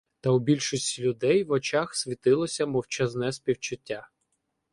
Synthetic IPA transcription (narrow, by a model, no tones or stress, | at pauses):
t̪ɐwbʲilʲʃɔsʲtʲilʲʊd̪ɛjʋɔt͡ʃaxsʲʋʲit̪ɪlˠɔsʲɐmɔwt͡ʃɐznɛspʲiwt͡ʃʊtʲːa